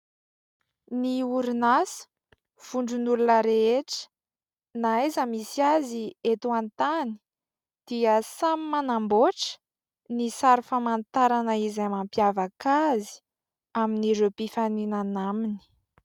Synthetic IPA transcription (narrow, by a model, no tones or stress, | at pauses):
niuɾunasu̥ | v̥uɳɖ͡ʐunulunəɾeeʈ͡ʂə̥ | naezəmisiaziet̪uant̪ani̥ | d̪̥iəsamimanamboʈ͡ʂə̥ | nisaɾufəmant̪aɾanəizamampjavakazi̥ | aminiɾepifaninanamini̥